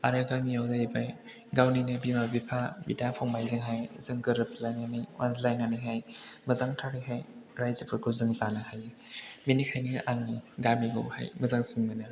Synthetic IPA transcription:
aɾɯɡamijawzaibaj | ɡawninɯbimabipʰabḭdapʰawŋmajzɯŋɦajzɯŋɡɯɾɯpʰlajnanɯjwʔanzlajnanɯjɦajmɐzaŋtʰaɾɯjɦajɾajzɯpʰɯɡɯzɯŋzanɯhaj | minikʰajniʔaŋniɡamiɡɯ̰wha̰jmɐzaŋsinmɯnɯ

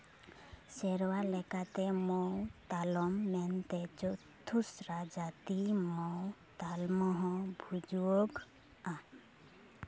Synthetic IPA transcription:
sɛɾwalɛkat̪ɛmɔwt̪alɔmːɛnt̪ɛt͡ʃɔt̪ʰusɾad͡ʒat̪imɔwt̪almɔɦɔ̃bʱud͡ʒuoɡ | ã

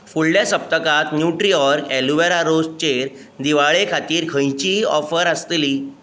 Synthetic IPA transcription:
fulɖjasəp̚t̪əkat̪njuʈɾiɔɾkɛluʋeɾaɾost͡ɕeɾ | d̪iʋaɭekʰat̪iːɾkʰə̃jt͡ɕiɔ̰fəɾəst̪liː

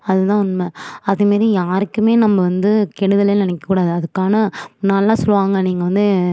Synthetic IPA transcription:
ɐðɯt̪ãːʊnmɐɐðɯmaːd̪ɾijaːɾɯkːɯmeːnɐmːɐʋɐnd̪ɯkɛɽɯðɐleːnɪnɛkːɐkːuːɽaːðɯɐðɯkːaːnɐnɐlːaːsɔlːʋaːŋɡɐniːŋɡɐʋɐnd̪ɯ

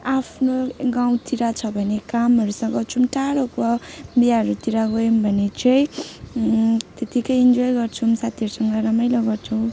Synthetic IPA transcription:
apʰnoɡaw̃t̪iɾat͡sʰʌbʱʌnekamɦʌɾusʌŋɡʌt͡sʰumʈaɾokʌbiaɦʌɾut̪iɾaɡojmbʱʌnet͡sʌj̃ | t̪et̪ikʌjind͡zojɡʌrt͡sʰumsat̪ʰiʌɾusʌŋɡʌɾʌmʌjlʌɡʌrt͡sʰʌw̃

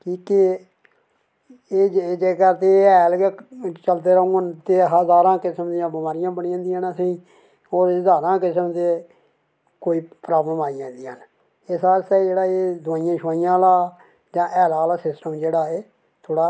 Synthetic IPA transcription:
kiːke | eːd͡ʒːd͡ʒeːkəɾt̪eːɛːlet͡ʃəlt̪eːɾəũːənt̪eːɦəzaːɾãːkɪsəmd̪ijãːbɪmaːɾɪjãːbəɳiãːnd̪ijãːnasẽĩː | oːɾəzaːɾãːkɪsəmt̪eː | koːiːpɾaːbləmaːijãːnd̪ija̰ːn | ɪsaːst̪ad͡ʒeːɽaːeːd̪ʊaːijãːʃaːijãːlaː | d͡ʒãːʔɛːlaːlaːsɪsʈəmd͡ʒeːɽaːeː | t̪ʰoːɽaː

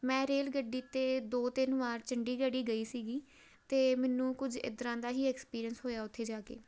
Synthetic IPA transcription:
mɛ̃ːɾeːlɡəɖiːt̪eːd̪oːt̪ɪnʋaːɾt͡ʃəɳɖiːɡəɽiːɡəiːsiːɡiː | t̪eːmɛːnũːkʊd͡ʒɪ̰d̪ɾãːd̪aːɦiːɛːkspiːɾijənsɦoːjaːʊt̪ʰːeːd͡ʒaːkḛː

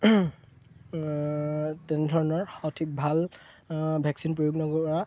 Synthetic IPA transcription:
tɛnɛdʱɔɹɔnɔɹxɔtʰik̚bʱal | bʱɛksinpɹojuɡnɔɡɔpɔɹa

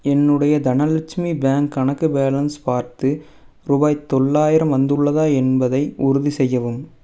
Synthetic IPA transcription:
ɛnːɯɽɐjɐd̪ɐnɐlɪt͡ʃmibaːŋkːɐɳɐkːɯbaːlɐnspaːɾt̪ɯ | ɾuːbaːjt̪ːɔɭːaːjɪɾɐmʋɐnd̪ɯɭːɐðaːɛnbɐðɐɪʔʊɾʊðisɛjːɐʋɯm

